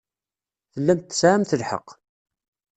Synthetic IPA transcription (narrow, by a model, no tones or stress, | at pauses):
θəlːæmt̪ːsʕamθəlħə̰q